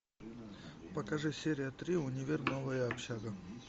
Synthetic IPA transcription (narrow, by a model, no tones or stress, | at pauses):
pɐkɐʐɨsʲeɾʲɪjət̪ɾʲiʊnʲɪvʲernovəjəɐpɕaɡə